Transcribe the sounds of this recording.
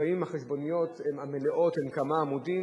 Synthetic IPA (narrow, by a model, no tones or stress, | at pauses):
aimaχeʃbo̞nijot̪emameleʔo̞t̪hemkamaːmud̪i